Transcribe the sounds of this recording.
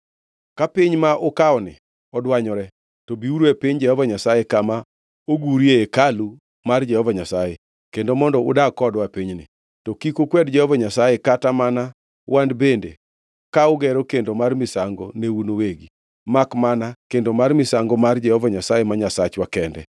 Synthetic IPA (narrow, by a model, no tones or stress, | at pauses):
kapɪɲmaʔʊkaɔnɪ̰ | ɔdwaɲɔɾɛ | tɔbiuɾwepiɲd͡ʒɛhɔvaɲasajekama | oɡuɾjeekalu | mard͡ʒɛhɔvaɲasaje | kendomɔndɔʊ̰dakɔdwapiɲnɪ̰ | tɔkikokwɛdd͡ʒɛhɔvaɲasajekatamana | wandbendḛ | kaʊɡɛɾokendomarmɪsaŋɡoneunoweɡi | makmanakendomarmɪsaŋɡɔmard͡ʒɛhɔvaɲasajemaɲasat͡ʃwakɛndɛ̰